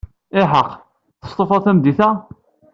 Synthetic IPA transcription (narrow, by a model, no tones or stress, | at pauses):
ɪħəqː | θə̥st̪ˤofɑθæmd̪iθæ